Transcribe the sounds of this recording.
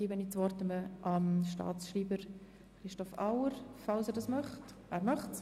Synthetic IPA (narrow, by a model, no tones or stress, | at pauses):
ibənit͡sʋɔɾt̪əməʔɑmʃtɑ̰ːt͡sʃriːbəɾ | χɾɪʃtɔfawəɾfɑlsɛːɾdɑːsmœχt | æːɾmɑχts